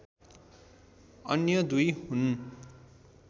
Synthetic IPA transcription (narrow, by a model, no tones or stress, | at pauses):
ʌnjʌd̪ujhun